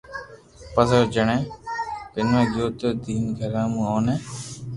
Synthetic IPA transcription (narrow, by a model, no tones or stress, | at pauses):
pəzoːd͡ʒəɳẽːkɪnmẽːd͡ʒoːt̪oːd̪iːnɡʱəɾãːmũːoːneː